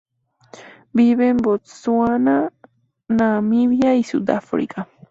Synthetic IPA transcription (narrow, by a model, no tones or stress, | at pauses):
biβembot̪suana | namiβjaisṵd̪a̰fɾḭka